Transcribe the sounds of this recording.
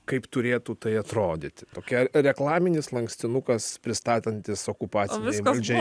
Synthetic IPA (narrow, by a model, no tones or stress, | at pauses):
kɐɪpt̪ʊɾʲeːt̪ut̪ɐɪɐt̪ɾoːd̪ʲɪt̪ʲɪt̪oːkʲɛɾʲɛklˠɑːmʲɪnʲɪslˠɐŋksʲt̪ʲɪnukɐspʲɾʲɪst̪ɑːt̪ʲɛnʲt̪ʲɪsoːkʊpɑːt̪sʲnɪɛɪʋɐlʲd͡ʒʲɛ